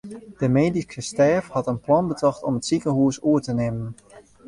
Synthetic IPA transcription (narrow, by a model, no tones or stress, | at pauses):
d̥əmeːdikəstɛːfhɑtənplɑnbətɑxtɔmətsikəɦuəsuərtənemən